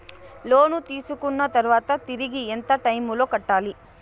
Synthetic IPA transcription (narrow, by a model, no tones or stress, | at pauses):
loːnut̪iːsukuɳːɐt̪ɐɾʋaːt̪ɐt̪iɾiɡient̪ɐʈɐjmulokɐʈːaːli